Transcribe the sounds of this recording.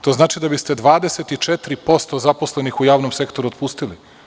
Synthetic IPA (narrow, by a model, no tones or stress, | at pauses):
t̪o̞znaːt͡ʃid̪abist̪e̞d̪ʋaːd̪eset̪it͡ʃet̪ɾipo̞st̪ozapo̞sle̞nixujaːʋnomse̞kt̪o̞ɾuot̪puːst̪ili